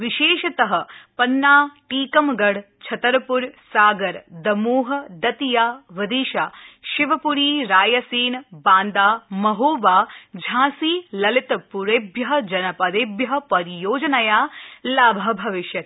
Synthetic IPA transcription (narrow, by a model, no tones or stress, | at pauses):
ʋɪʃeːʃɐt̪ɐɦɐ̆pɐnːaːʈiːkɐmɡɐɽ | t͡ʃʰɐt̪ɐɾɐpuɾsaːɡɐɾd̪ɐmuːɦɐ̆d̪ɐt̪ijaːʋɐd̪iːʃaːʃɪʋɐpuɾiːɾaːjɐsiːnbãːnd̪aːmɐɦoːʋaːd͡ʒʱãːsiːlɐlɪt̪puɾebjɐɦɐ̆d͡ʒɐnɐpɐd̪ebjɐɦɐ̆pɐɾijoːd͡ʒɐnɐjaːlaːbʱɐbʱɐʋɪʃjɐt̪